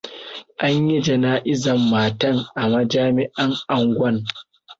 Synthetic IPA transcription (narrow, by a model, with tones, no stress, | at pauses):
ʔa˦ɲji˦d͡ʒɐ˨naː˦ʔɪ˦zɐ˨mːaː˨tɐ˦˨ŋʔa˨mɐ˦d͡ʒaː˦mɪ˦ʔɐ˦ŋʔa˨ŋɡʷɐ˦ŋ